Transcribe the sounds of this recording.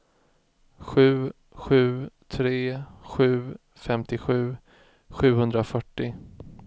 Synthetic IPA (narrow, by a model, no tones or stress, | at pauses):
ɧʉ̟ː | ɧʉ̟ːt̪ʰɾeːɧʉ̟ː | fɛmt̪ɪɧʉ̟ː | ɧʉ̟ːhɵnd̪ɾafœʈːɪ